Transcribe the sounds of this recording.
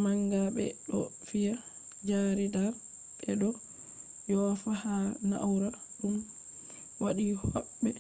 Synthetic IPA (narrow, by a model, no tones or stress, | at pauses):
maŋɡaɓɛ̰ɗɔ | fija | d͡ʒaɾidaɾ | ɓɛɗɔ | jɔfahana̰ʔwɾaɗum | waɗihɔɓːɛ